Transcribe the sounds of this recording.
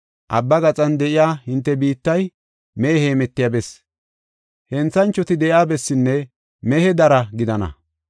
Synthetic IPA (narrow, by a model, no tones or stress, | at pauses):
ʔɐbːɐɡɐt͡sʼɐnd̪ɛʔɪjaːhɪnt̪ːɛbiːt̪ːɐj | meːheːmɛt̪ːɪjabɛs | hɛnt͡sːɐnt͡ʃːɔt̪ɪd̪ɛʔjaːbɛsːɪnːɛ | mɛhɛd̪ɐɾɐɡɪd̪ɐnɐ̰